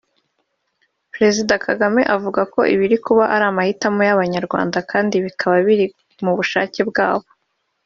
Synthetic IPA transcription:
pɾe̞zidakʰaɡame̞ʔavuɡako̞̰ʔiβiɾikuβaʔaɾaːmahitamojaβaɲaɾɡwa̰ːndakaːndiβikʰaβaβiɾi | muβuʃa̰ːce̞b̚ɡaːβo̞

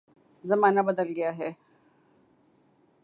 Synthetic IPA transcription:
zɐmaːnabɐd̪əlɡɐjaɦɛː

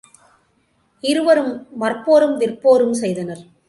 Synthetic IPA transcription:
ɪɾɯʋɐɾɯmʋɐrpoːɾɯmʋɪrpoːɾɯmsɛjðɐnɐɾ

